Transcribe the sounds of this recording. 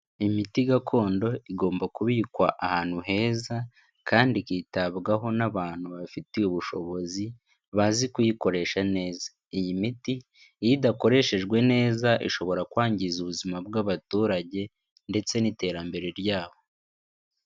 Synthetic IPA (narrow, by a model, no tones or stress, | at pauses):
imitiɡakʰo̞ːndo̞iɡo̞ːmbakuβiːkwaʔahaːn̥huɦe̞ːza | kʰaːndikiːtaβɡaɦo̞naβaːn̥huβafiteuβuʃo̞βo̞zi | βazikujiko̞ɾe̞ːʃane̞ːza | ijimiti | jidako̞ɾe̞ʃe̞ʒɡwe̞ne̞ːzaʔiʃo̞βo̞ɾakwaːɲɟizuβuzimab̚ɡaβatuːɾaɟe̞ | nde̞t͡se̞nite̞ːɾambe̞ɾe̞ɾjaːβo̞